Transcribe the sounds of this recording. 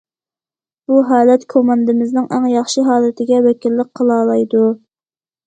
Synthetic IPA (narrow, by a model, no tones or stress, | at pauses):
b̥uɦɑːlɛt̪kʰomɑnd̪ɨmɪznɪŋʔæŋjɑχʃiɦɑːlɨt̪ʰɪɡʲɛwɛkʲilːək̚qʰəlˠɑːlˠɑjd̪u